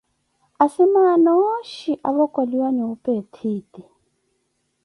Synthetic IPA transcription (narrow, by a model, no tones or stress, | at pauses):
asimanɔʃiʔaβɔkʼoliwaniupʼetʰiːti